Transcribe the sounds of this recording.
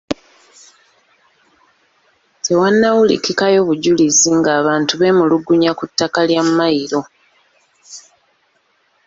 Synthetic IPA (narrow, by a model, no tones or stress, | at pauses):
tʰe̞wanːawulḭkikajo̞ːβuɟuliziŋɡaːβaːntuβe̞ːmuluɡuɲakutːakaljamːaiɾo̞